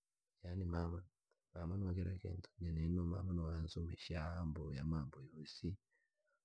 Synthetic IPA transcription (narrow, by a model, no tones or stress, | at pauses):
janimaman | mamanɔwakɛɾakḛntu̥ɲɛnɛnoma̰manɔwanzumiʃaambojamambɔjosi